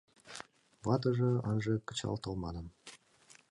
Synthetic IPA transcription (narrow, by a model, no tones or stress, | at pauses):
βɑt̪̬ɤ̆ʐɤ̆ɑnʒɤ̆kə̥̆t͡ɕɑ̰lˠt̪ɤ̆lˠmɑnɤ̆m